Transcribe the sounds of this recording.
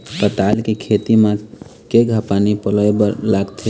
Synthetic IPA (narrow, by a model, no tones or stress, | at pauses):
t̪ət̪alkekʰet̪imekeɡʱapanipələjblaɡt̪ʰe